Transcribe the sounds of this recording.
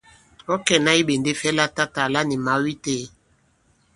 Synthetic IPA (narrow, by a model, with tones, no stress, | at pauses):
o˦kɛ˨na˦i˦be˨nde˦fɛ˦la˦ta˦ta˨la˦ni˨ma˨˦wi˦te˦